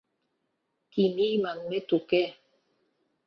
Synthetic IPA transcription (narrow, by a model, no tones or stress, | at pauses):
kinimaŋmetukɛ